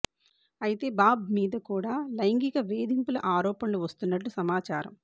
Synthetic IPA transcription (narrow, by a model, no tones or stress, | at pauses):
ɐjit̪e̞ːbaːbmiːd̪ɐkuːɽaːlɐjŋɡikɐʋe̞ːd̪impulɐʔaːɾɔːpɐnluːʋɐst̪unːɐʈːusɐmaːt͡ʃaːɾɐ̰m